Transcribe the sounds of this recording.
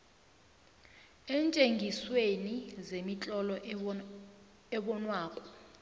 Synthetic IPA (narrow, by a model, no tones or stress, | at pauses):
ɛːnt͡ʃʼeŋɡʱiswenizemit͡ɬʼɔlɔ | ɛɓɔnwaːkʼɔ̥